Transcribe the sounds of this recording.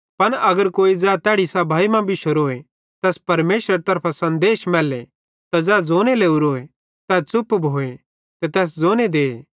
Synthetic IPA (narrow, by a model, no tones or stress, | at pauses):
pɐnɐɡəɾkoːid͡zɛːt̪ɛːɽisabʱaːimãbɪʃoɾoːe | t̪ɛːspɐɾmeːʃɾəɾt̪ɐɾpʰasɐ̃nd̪eːʃmɛːle | t̪ad͡zɛːd͡zoːñeleːuɾoːe | t̪ɛt͡sʊpːbʱoːe | t̪ɛt̪ɛːs̬d͡zoːñed̪eːe